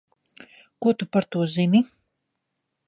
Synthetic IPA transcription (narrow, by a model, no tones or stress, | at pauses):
kuɔt̪upaɾt̪uɔzimi